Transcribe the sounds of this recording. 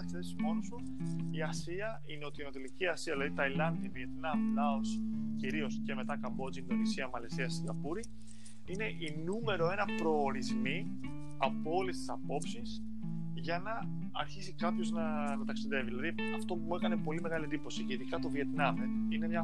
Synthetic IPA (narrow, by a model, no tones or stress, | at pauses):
ɐksiðesimo̞nosu | iɐsiɐ | ineo̞t̪iːno̞t̪eliciɐsiɐðilɐðit̪ɐilɐnd̪iɐviet̪nɐmlɐos | ciɾio̞sce̞me̞t̪ɐkɐmbo̞d͡zind̪o̞nisiɐmɐlesiɐsiŋɡɐpuɾi | ine̞ʔinume̞ɾo̞e̞nɐpɾo̞ːɾizmi | ɐpoo̞lest̪isɐpo̞psis | ʝɐnɐː | ɾçisikɐpço̞znɐ | nɐt̪ɐksiðe̞viðilɐði | ɐft̪o̞pumue̞kɐne̞po̞lime̞ɣɐliend̪ipo̞siceiðikɐt̪o̞vie̞t̪nɐmine̞mɲɐ